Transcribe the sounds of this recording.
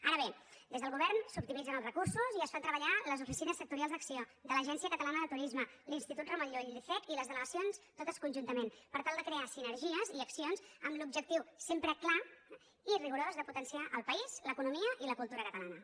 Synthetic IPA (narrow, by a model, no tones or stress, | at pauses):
aɾəβed̪ezðəlˠɣuβ̞ɛɾnsupt̪imid͡zənəlˠzrəkuɾsuziəsfant̪ɾəβəʎaləzufisinəsːək̚t̪uɾialzd̪əksiod̪ələʒɛnsiəkət̪əlanəðət̪uɾizməlinst̪it̪ut̪ruməʎoʎiɾiθɛt̪iləzðələɣəsionst̪ot̪əskunʲʒunt̪əmenpəɾt̪alˠd̪əkɾeasinəɾʒiəziəksionsəmlub̚ʒək̚t̪iwsempɾəkla | iriɣuɾozəzðəput̪ənsiaʔəlˠpəizləkunumiəʔiləkulˠt̪uɾəkət̪əlanə